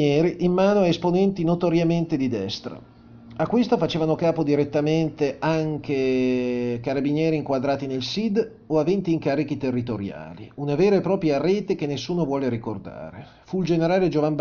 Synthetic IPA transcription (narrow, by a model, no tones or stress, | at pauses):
ɛːɾiʔːmːaːnoaesponɛnt̪inot̪oɾjament̪ed̪id̪ɛst̪ɾa̰ | akːwest̪ofat͡ʃeːvanokaːpod̪iɾet̪ːament̪eʔaŋke | kaɾabinjɛːɾiːŋkwad̪ɾaːt̪inelsid̪ | oavent̪iːŋkaːɾik̟it̪erːit̪oɾja̰ːlḭunaveːɾaepɾɔːpɾjaɾeːt̪ek̟enːesːuːnovwɔːleɾikord̪a̰ːɾe | fuild͡ʒeneɾaːled͡ʒovamb